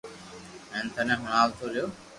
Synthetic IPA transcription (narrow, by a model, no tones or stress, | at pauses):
ẽːnt̪ʰənẽːɦʊɳ̃aːlt̪ʰoːɾɪjoː